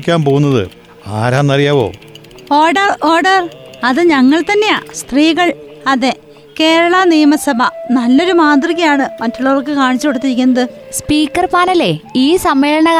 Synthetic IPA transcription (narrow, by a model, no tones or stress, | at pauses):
kʲːaːmpo̞ːɣwunːɐðɨ̰ | a̰ːɾaːnːɐrijaːʋo̞̰ː | oːɖɐro̞ːɖɐrɐðɨɲɐŋːɐɭt̪ɐnːe̞ja̰ːst̪riːɣɐɭɐðe | keːɻɐɭɐnijmɐsɐbʱɐnɐlːo̞ɾumaːd̪riɣɐjaːɳɨmɐtːuɭːɐʋɐrkɨkaːɳit͡ɕːukoɽut̪ːiɾikʲːunːɐðɨ | spiːkːɐrpaːlɐleiːsɐmʋe̞ːɻɐɳɐ